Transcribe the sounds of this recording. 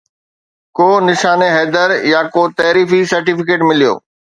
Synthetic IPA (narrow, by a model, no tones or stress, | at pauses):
koːnɪʃaːneɦɛːd̪əɾjakoːt̪ɐːɾiːfisɐɾʈifɪkeːʈmɪlijo̰ː